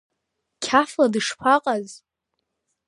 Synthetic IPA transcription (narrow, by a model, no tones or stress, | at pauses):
kʲʰafladɨʂpʰaqʼaz